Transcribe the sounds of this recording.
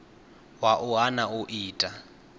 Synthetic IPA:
waʔʊanaʊʔiːtʼa

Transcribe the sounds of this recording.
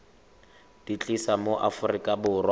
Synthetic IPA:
d̥it͡ɬʼisamoʔafʊrikʼabʊːrwa

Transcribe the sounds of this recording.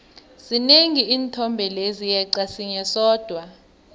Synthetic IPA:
z̥ineŋiiːntʰɔmbʱɛlezijɛǀasiɲɛsɔːd̥ʱwa

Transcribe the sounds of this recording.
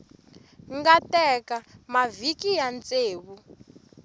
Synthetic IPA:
ŋɡatɛkamavikijant͡seːβu

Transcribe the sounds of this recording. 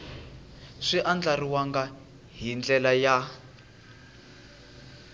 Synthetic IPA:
ʂiʔand͡ɮariwaŋɡa | ɦind͡ɮɛlaja

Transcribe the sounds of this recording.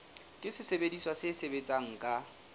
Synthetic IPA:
kʼɪsɪsebediswasɪsebet͡sʼaŋ̩kʼa

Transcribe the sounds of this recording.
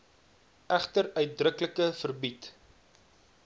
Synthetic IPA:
æχtəɾœɥt̚drəkləkəfərbit

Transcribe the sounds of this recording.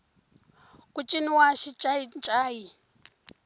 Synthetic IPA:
kʼut͡ʃʼiniwaʃit͡ʃʼaint͡ʃʼaːji

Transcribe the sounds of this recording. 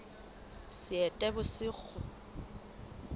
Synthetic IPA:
sɪɛtʼɛbʊsɪːk͡xʰɔ

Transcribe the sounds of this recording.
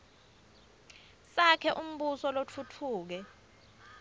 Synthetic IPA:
sakʰɛʔum̩ɓusɔlot͡fʰutʰuːk̬ɛ

